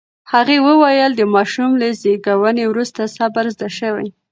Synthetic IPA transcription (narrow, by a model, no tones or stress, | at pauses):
haɣewəwajəld̪əmɑʃumlazeɡawənewɾust̪asabaɾzd̪aʃəwa̰j